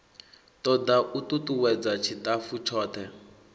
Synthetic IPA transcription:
tɔd̪aʔututuwɛd͡zat͡ʃʰitafut͡ʃʰɔːt̪ʰɛ

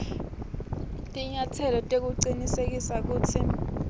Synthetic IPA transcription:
tʼiɲatʰɛlɔtʼek̬uǀinisek̬isak̬uːtʰi

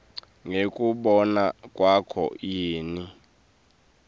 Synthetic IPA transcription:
ŋekʼuɓɔnakʼwakʰɔ̰jiːni

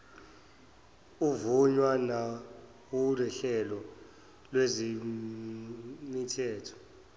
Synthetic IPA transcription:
uvuɲwana | wulwɛɬɛlɔ | lwezi | nitʰɛːtʰɔ̥

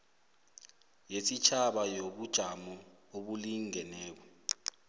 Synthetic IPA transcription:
jesit͡ʃʰaɓajoɓud̥ʒ̥ʱamɔoɓuliŋʱɛnɛːk̬ɔ

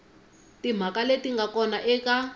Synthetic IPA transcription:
tim̤ʱakaletiŋɡakɔnaʔɛka

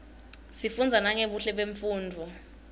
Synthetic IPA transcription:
sifund͡zʱanaŋeɓuɬɛɓeɱfuːndʱu

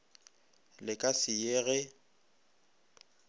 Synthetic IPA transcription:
lɪkʼasɪjeɣɛ

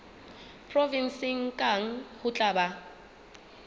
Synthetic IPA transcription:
pʰʼrɔvinsɪŋ̩kʼaŋ̩hʊt͡ɬʼaːba

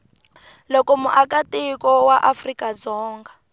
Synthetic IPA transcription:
lɔkɔmuʔakatikɔwaʔafrikad͡zɔːŋɡa

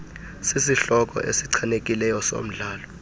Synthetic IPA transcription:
sisiɬɔk̬ʼɔ̰ʔesiǀʰanekʼilɛjɔso̰m̩ɮaːlɔ

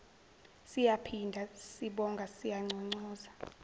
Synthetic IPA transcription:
sijapʰindʱasiɓɔŋɡʱasijaŋ͡ǀʱɔŋ͡ǀɔːza

